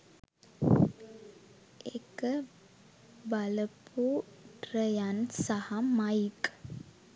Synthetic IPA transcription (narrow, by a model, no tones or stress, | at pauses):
ekə | baləpʰuʈɾəjansahamajk